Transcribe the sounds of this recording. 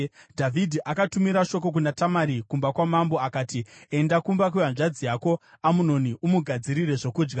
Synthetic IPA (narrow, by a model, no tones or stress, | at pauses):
dʱavʱidʱiʔakatumiɾaʃo̞k̬o̞k̬unatamaɾikumbakwamambo̞akaːtie̞ndakumbak̬uʋanʐad͡zijako̞ | amuno̞niʔumuɡʱad͡ziɾire̞ʐo̞kuːd͡ʒɡa